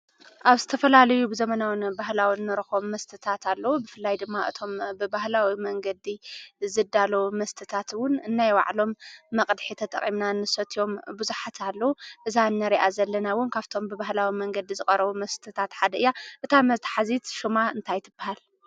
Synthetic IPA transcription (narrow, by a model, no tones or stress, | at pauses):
ʔaβzɨ̥t̪ʰɐfɐlalɐjubɨzɐmɐnawnbahlawinːɨɾɨxomːɐst̪ʰɨt̪ʰat̪ʰalːɐwubɨfɨlːajd̪ɨmːaʔɨ̰t̪ʰo̞mbɨbahlawimɐŋɡɐd̪izɨd̪alomɐst̪ʰɨt̪ʰat̪wʊnɨnːajwa̰ʕlo̞mːɐkʼd̪ħit̪ʰɐt̪ʼɐ̰χʼimnanːɨsɐt̪ʰio̞mbɨzuħat̪ʰalːɐwuʔɨzanːɐɾiʔazɐlːɐnawʊnkʰaβt̪ʰo̞mbɨβahlawimɐŋɡɐd̪izɨkʼɐɾɐβumɐst̪ʰɨt̪ʰat̪ħad̪ɐɨjːaʔɨt̪ʰamɐt̪ʰħazit̪ʃumaɨnt̪ʰajt̪ʰɨbːahal